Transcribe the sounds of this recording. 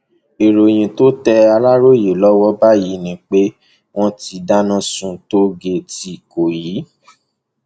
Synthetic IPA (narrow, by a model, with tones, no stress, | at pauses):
e˨ɾo˨j̃ĩ˨to˦tɛ˧a˧la˦ɾo˦je˨lɔ˦wɔ˦ba˦ji˨˦nĩ˦k͡pe˦ | w̃ɔ̃˦ti˧da˦nã˦sũ˧to˦ɡe˧˨ti˧˨ko˨ji˨˦